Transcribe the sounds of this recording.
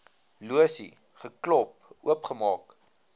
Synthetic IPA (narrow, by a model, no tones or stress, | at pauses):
luəsḭ | χəklɔp̚ | uəpχəmɑːk